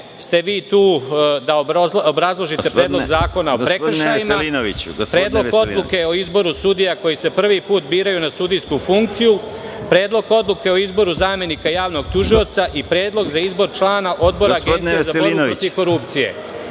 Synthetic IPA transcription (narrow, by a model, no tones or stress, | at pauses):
st̪e̞ʋiːt̪uːd̪aoobɾazlˠo̞ʒit̪e̞pɾeːd̪loɡzaːko̞naopɾekr̩ʃajimainoʋit͡ɕpɾeːd̪lˠo̞o̞d̪lˠuke̞o̞izbo̞ɾusud̪ijako̞jise̞pr̩ʋipuːt̪biːɾajunasud̪ijskufuŋk̚t̪siju | pɾe̞ːd̪lˠo̞ɡo̞d̪lˠuke̞o̞izbo̞ɾuzaːme̞nikajaːʋno̞ɡ̚t̪uʒio̞t̪saʔipɾe̞ːd̪lˠo̞ɡzaizbo̞ɾt͡ʃlˠaːnaʔo̞d̪̚bo̞ɾaːɡenizaɾot̪iko̞ɾupt̪sije̞̰